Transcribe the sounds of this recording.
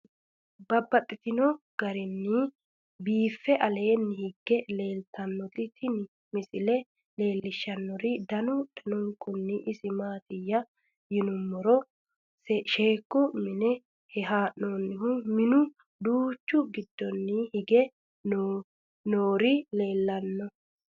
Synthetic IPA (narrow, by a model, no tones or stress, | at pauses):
bɐbːɐt̪ʼːɪt̪ɪnɔ | ɡ̥ɐɾɪnːɪ | biːfːɛʔɐle̞ːnːɪhɪɡːɛle̞ːlt̪ɐnːɔt̪ɪt̪ʰɪn | mɪsɪlɛ | le̞ːlːɪʃːɐnːɔɾɪd̪ɐnʊʔɛnɔŋkʊnːɪʔɪsɪmaːt̪ɪjːɐ | jɪnʊmːɔɾɔ | sʃeːkːʊmɪnɛ | hɛɦaːʔnoːnːɪɦʊmɪnʊ | d̪uːt͡ʃːʊɡɪd̪ːɔnːɪhɪɡɛ | no | noːɾɪle̞ːlːɐnːɔ